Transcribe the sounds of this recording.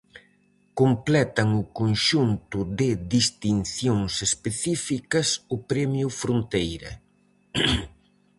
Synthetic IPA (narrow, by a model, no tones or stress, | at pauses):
komplɛt̪ɐŋʊkonʃunt̪ʊðɪðist̪inθjoŋsespeθifikɐsʊpɾɛmjʊfɾont̪ejɾɐ̰